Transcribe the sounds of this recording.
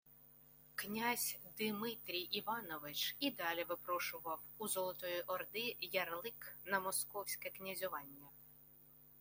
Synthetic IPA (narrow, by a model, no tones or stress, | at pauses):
knʲazʲd̪ɪmɪt̪ɾʲijʔiʋɑnɔʋɪt͡ʃid̪ɑlʲiʋɪpɾɔʃʊʋɐwuzɔlˠɔt̪ɔjʊʔɔrd̪ɪjɐrlˠɪknɐmɔskɔwsʲkɛknʲɐzʲʊʋɑnʲːɐ